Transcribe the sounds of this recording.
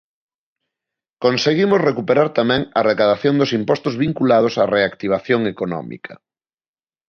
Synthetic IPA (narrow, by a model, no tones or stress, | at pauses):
konseɣimosrekupeɾaɾt̪amɛ̃ŋɐrekaðaθjond̪osimpɔst̪ozβiŋkulað̞osareakt̪iβ̞aθjoŋekonɔ̰mḭkʰɐ